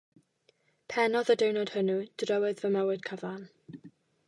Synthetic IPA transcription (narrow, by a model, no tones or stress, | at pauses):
pʰɛnɔðədewnɔd̥hənud̥rəwɨðvəmɛwɪd̥kʰəvan